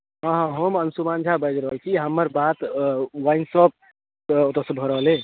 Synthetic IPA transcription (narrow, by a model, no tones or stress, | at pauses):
ɦə̃ɦə̃ɦomənsumand͡ʒʱabəjd͡ʒɾəɦəlt͡ʃʰiɦəmːəɾbat̪waɪnsəb̚ | ot̪əsəbʱɔɾəɦəle